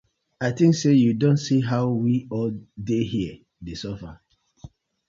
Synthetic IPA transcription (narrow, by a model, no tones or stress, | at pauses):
aɪtĩŋksejudõntsiɦaʊwiɔldeɦiə | desɔfa